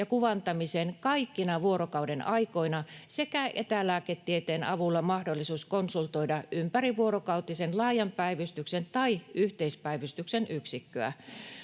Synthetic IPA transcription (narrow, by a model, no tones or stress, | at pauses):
jɑkuʋɑnt̪ɑmisenkɑikːinɑʋuoɾokɑudenɑikoinɑsekæʔet̪ælæːket̪ːiet̪eːnɑʋulːɑmɑhdolːisuːskonsult̪oidɑʔympæriʋuorokɑut̪isenlɑːjɑmpæiʋyst̪yksent̪ɑiʔyht̪eispæiʋyst̪yksenyksikːøæ̰